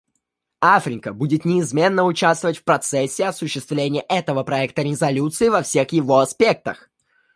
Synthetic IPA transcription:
afɾʲɪkəbudʲɪt̪nʲɪːzmʲe̞nːəʊt͡ɕast̪vəvətʲfpɾɐt̪sɛsʲːɪɐsʊɕːɪst̪vlʲenʲɪjəʔɛt̪əvəpɾɐɛk̚t̪əɾʲɪzɐlʲut̪sɨɪvɐfsʲe̞xjɪvo̞ɐspʲe̞k̚t̪əx

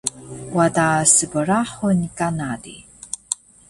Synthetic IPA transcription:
wadaːsɨbɨraːħʊnikʼanaːdḭ

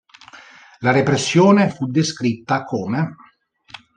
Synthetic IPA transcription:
laɾepɾesːjoːnefud̪ːeskɾit̪ːakʰoːme

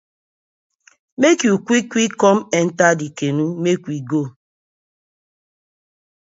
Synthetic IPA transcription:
mekjukʷikʷikɔmɛn̩tadikenumekʷiɡo

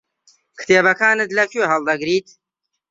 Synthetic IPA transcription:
kʰt̪eːbɐkʰaːnɨd̪lɐkʰuɦɐld̪ɐɡɾiːt̪

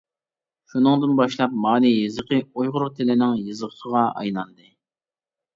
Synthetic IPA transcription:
ʃunɨŋd̪ɨnbɑʃlˠɑp̚mɑːnijɨzɨqʰɨojʁʊɾʊt̪ʰɪlɪnɪŋjɨzəχsəʁɑɑ̰jnɑnd̪ɨ

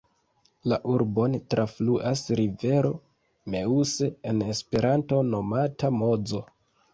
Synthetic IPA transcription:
laʔuɾbo̞ntɾafluʔasɾive̞ɾo̞ | me̞use̞enespe̞ɾanto̞no̞matamo̞d͡zo̞

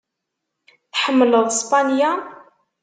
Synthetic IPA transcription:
θħəmːələðˤspanja

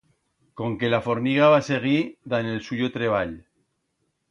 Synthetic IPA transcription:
ko̞ŋke̞lafo̞ɾmiɣaβase̞ɣ̞iðane̞lsuʝot̪ɾe̞β̞aʎ

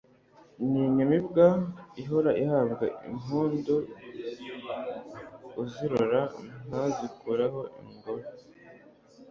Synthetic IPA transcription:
miɲamibɡaiɦoɾaʔihabɡa̰ḭmuːndo | uziɾoɾan̥azikuɾaɦo̞ʔḭŋɡoɾo

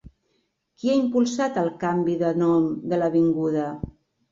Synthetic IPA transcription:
kiaimpulˠsat̪əlˠkambiðənɔmd̪ələβiŋɡuðə

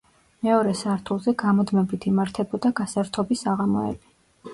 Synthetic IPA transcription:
mɛɔɾɛsaɾt̪ʰulˠzɛɡamɔd̪mɛbit̪ʰimaɾt̪ʰɛbɔd̪aɡasaɾt̪ʰɔbisaʁamɔ̰ɛ̰bi

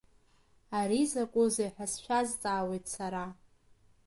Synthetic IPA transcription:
aɾizakʷʼuzejħᶣasʃʷᶣazt͡sʼaːwejtʰsaɾa

